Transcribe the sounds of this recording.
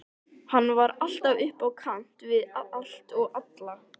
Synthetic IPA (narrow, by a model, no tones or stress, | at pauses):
hanːvaɾal̥t̪avʏhpawkʰam̥t̪vɪðaal̥t̪ɔɣat̪la